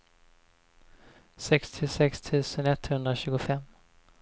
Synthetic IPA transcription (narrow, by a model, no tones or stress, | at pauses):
sɛkst̪ʰɪsɛkst̪ʰʉ̟ːsənɛt̪ːhɵnd̪ɾaɕʉ̟ːɡʊfɛmː